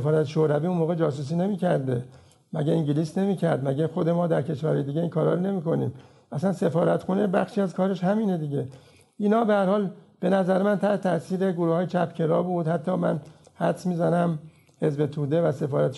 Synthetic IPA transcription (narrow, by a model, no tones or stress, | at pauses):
efɒːɾæt̪eʃoɾæviːunmoːɣe̞d͡ʒɒːs̬uːs̬iːne̞miːcʰæɾd̪e̞ | mæɟeiŋɟiliːsne̞miːcʰæɾd̪mæɟexo̞d̪e̞mɒːd̪æɾkʰe̞ʃvæɾɒːjed̪iːɟeiːnkʰɒːɾɒːɾone̞miːko̞nḭːm | ʔæsænse̞fɒːɾæt̪xunebæxʃiːæzkʰɒːɾe̞ʃhæmiːne̞d̪iɟe | ʔiːnɒːbe̞hæɾhɒːlb̥e̞næzæɾemænt̪ʰæɾhet̪ʰæsiːɾe̞ɡoɾuːhɒːjet͡ʃʰæpcʰe̞ɾɒːbuːd̪hæt̪ʰːɒːmænhæd̪smiːzænæm | he̞zbe̞t̪ʰuːd̪e̞væse̞fɒːɾæt̪